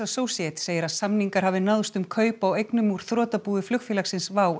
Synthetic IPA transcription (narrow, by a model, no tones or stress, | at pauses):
asoːwsiɛt̪seːjɪɾaðsamniŋkaɾhaːvɪnaðst̪ʏmkʰœːɥpawejknʏmuɾ̥θɾɔːt̪apuːðʏflʏxfɪlaksɪnsvaːw